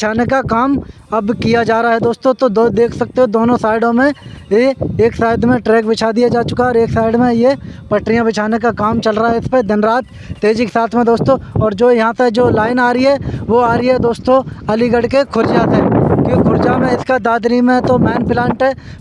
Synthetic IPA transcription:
bt͡ʃʰaːnekakaːm | ɐbkijad͡ʒaːɾaaɦɛd̪oːst̪õt̪od̪od̪eːkʰsɐk̚t̪eɦẽd̪oːnõsaːɪɖõmẽjeeːksaːɪd̪mẽʈɾeːkbɪt͡ʃʰad̪ijad͡ʒaːt͡ʃʊkaɦɛɔːɾeːksaːɪɖmẽjepɐʈɾijãbɪt͡ʃʰaːnekakaːmt͡ʃɐlɾaaɦɛɪsped̪ɪnɾaːt̪ː | eːd͡ʒike̥saːt̪ʰmẽd̪oːst̪õɔːɾd͡ʒoːjɐɦãt̪ed͡ʒoːlaːɪnaːɾiɦɛʋoaːɾiɦɛd̪oːst̪õɐliɡɐɽkekʰʊɾd͡ʒaseːkĩkʰʊɾd͡ʒamẽɪskad̪aːd̪ɾimẽt̪omɛːnpɪlãːɳʈɦɛː

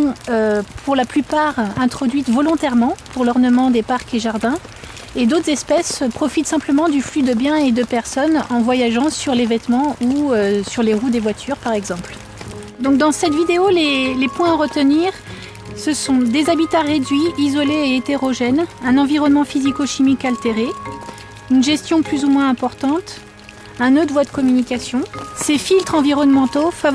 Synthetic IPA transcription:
ɔ̃øpʰuʁlaplypaʁɛ̃t̪χɔd̪ɥit̪vɔlɔ̃t̪ɛʁmɑ̃puʁlɔʁnəmɑ̃d̪epaʁkeʒaʁd̪ɛ̃ | ed̪ot̪χzɛspɛspχɔfit̪sɛ̃pləmɑ̃d̪yflyd̪əbjɛ̃ed̪əpɛʁsɔnɑ̃vwajaʒɑ̃syʁlevɛt̪mɑ̃uøsyʁleʁud̪evwat̪ʰyʁpaʁɛɡzɑ̃pl | d̪ɔ̃k̚d̪ɑ̃sɛt̪vid̪eolelepwɛ̃aʁət̪əniʁ | səsɔ̃d̪ezabit̪aʁed̪ɥiːzɔleːt̪eʁɔʒɛnɛ̃nɑ̃viʁɔnmɑ̃fizikoʃimikalt̪eʁe | ynʒɛst̪jɔ̃plyzumwɛ̃ɛ̃pɔʁt̪ɑ̃t̪ | ɛ̃nod̪vwad̪əkɔmynikʲasjɔ̃sefilt̪χɑ̃viʁɔnmɑ̃t̪ofav

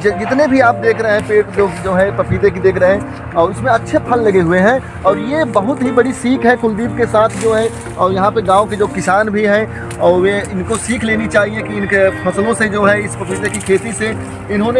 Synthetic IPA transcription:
d͡ʒd͡ʒɪt̪nebʱiaːp̚d̪eːkʰɾəɦɦɛ̃peːʈloːɡd͡ʒoːɦɛpɾɐpʰiːd̪ekid̪eːkʰɾəɦɛ̃ | ɔːɾʊsmẽɐtːʃʰepʰɐlːɐɡeɦʊeɦɛ̃ | ɔːɾjebɐɦʊt̪ɦibɐɽisiːkʰɦɛ̃kʊ̃ld̪iːb̚kesaːt̪ʰd͡ʒoːɦɛ | ɔːɾjɐɦãpeɡãːõked͡ʒoːkɪsaːnbʱiɦɛ̃ | ɔːɾjeɪnkosiːkʰleːnit͡ʃaːɦiekiɪnkepʰɐsəlõsed͡ʒoːɦɛɪspɐpiːd̪ekikʰeːt̪ise | ɪnɦõne

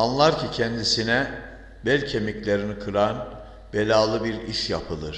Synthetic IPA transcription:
anlˠaɾcʰicʰɛnd̪isinɛ | bɛlʲcʰemiclʲeɾinikʰɯɾan | b̥elʲaːlˠɯbiɾiʃjapʰɯlˠɯɾ̥

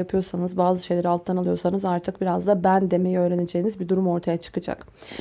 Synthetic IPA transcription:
apʰɯjo̞ɾsanɯzbaːzɯʃejlʲeɾialˠt̪ʰlˠanalˠɯjo̞ɾsanɯzaɾt̪ʰɯk̚biɾazd̪abænd̪e̞me̞jiø̞ːɾened͡ʒejinizbid̪uɾumo̞ɾt̪ʰajat͡ʃʰɯ̥kɯd͡ʒa̰k

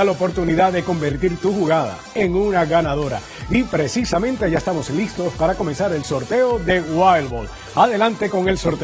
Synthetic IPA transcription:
alaopo̞ɾt̪uniðaðe̞ko̞mbe̞ɾt̪iɾt̪uxuɣaða̰e̞ŋunaɣanaðo̞ɾa̰ | ipɾe̞sisamẽ̞nt̪e̞ʝaest̪amo̞slist̪o̞spaɾako̞me̞nsaɾe̞lso̞ɾt̪e̞o̞ðe̞wajlβol | aðe̞lãnt̪e̞ko̞ŋe̞lso̞ɾt̪

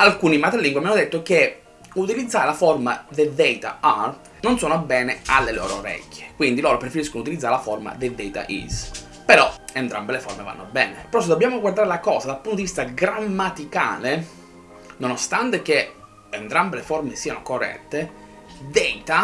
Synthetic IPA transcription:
alkuːnimat̪elːiŋɡwiamanːod̪et̪ːok̟e | ut̪ilid̪zːaːɾelaformad̪ed̪ɛjt̪a̰a | nonsɔːnoabɛːnealːelɔ̰ːɾo̰ɾɛ̰kːe̥kwind̪ilɔːɾopɾefeɾiskonout̪ilid̪zaːɾelaforma̰d̪ed̪ɛjt̪a̰ʔḭs | peɾɔent̪ɾa̰mbelefo̰rmeva̰nːobɛ̰ːnepeɾɔs̬ed̪obːjaːmoɡward̪aːɾelakɔːzad̪alpunt̪d̪ivist̪aɡɾamːat̪ika̰ːle | nonost̪ant̪ek̟e | ent̪ɾambeleformesiːanokorːɛ̰t̪ːe | d̪ɛjt̪a

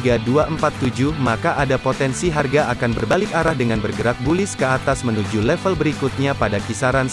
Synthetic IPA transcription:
ɡaduaʔəmpat̪ːud͡ʒuhmakaʔadapot̪ɛnsiɦarɡaʔakanbərbalɪkaɾahdəŋanbərɡəɾak̚bulɪskəat̪asmənud͡ʒulɛfəlbəɾikut̪̚ɲapadakisaɾan

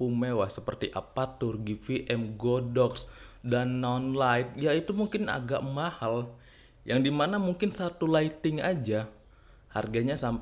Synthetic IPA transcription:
umewasəpərt̪iʔapat̪ʊrɡifiʔɛmɡodɔksdanːɔnlajt̪̚jait̪umuŋkɪna̰ɡaʔmahal | jʔaŋdimanamuŋkɪnsat̪ulait̪ɪŋad͡ʒa | harɡaɲasamp

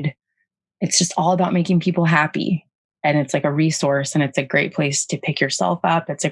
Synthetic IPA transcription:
d | ɨtsd̥ʒ̥ʌstɔlˠəbaʊt̚meɪkɪ̃ŋpʰipl̩ˠɦæpḭ | ɨ̃nɨtslaɪkɨɹisɔɹsɨ̃ñɨtsɨɡɹeɪt̚pʰl̥eɪstʰɨpʰɪkjə˞sɛ̰lˠfʌpɨtsɨ

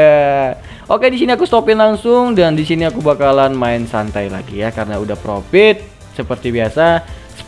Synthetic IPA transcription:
a | ʔokedisiniakust̪opɪnlaŋsʊŋdandisiniakubakalanmaɪnsant̪ajla̰ɡijakaɾənaudahpɾofɪt̪̚ | səpərt̪ibiasa | sə̥

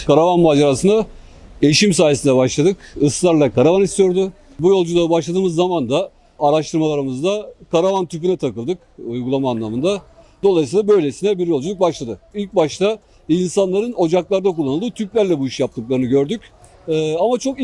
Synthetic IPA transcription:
kʰaɾavanmaːd͡ʒeɾasɯnd̪a | ejiʃims̬aːjesind̪ɛbaʃlˠad̪ɯkɯslˠaɾlˠakaɾavanist̪ʰijo̞ɾd̪ʊ | bujo̞lˠd͡ʒulˠabaʃlˠad̪ɯːmɯzːamand̪aː | ɾaʃt̪ʰɯɾmalˠaɾɯmɯzd̪akʰaɾavant̪ʰypynɛt̪ʰakɯlˠd̪ɯkujɡulˠamaːnlˠamɯnd̪ad̪o̞lˠajsijlˠabø̞jlʲesinɛbiɾjo̞lˠd͡ʒulˠuk̚baʃlˠad̪ɯilʲc̚baʃt̪ʰa | insanlˠaɾɯno̞d͡ʒaklˠaɾd̪akulˠːanɯlˠd̪ɯːt̪ʰyplʲæɾlʲɛbuiʃjap̚t̪ʰɯk̚lˠaɾɯnɯɟø̞ɾd̪ycː | amat͡ʃʰo̞k

